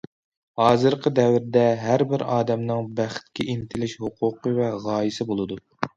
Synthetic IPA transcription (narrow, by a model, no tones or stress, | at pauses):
hɑːzɨɾqʰəd̪ɛvɾɪd̪ɛɦæɾbɪɾɑːd̪ɛmnɨŋbæχt̪̚kʲʰiʔint̪ʰɪlɪʃhuqʰʊqʰəvɛʁɑːjisɪbolˠɨd̪u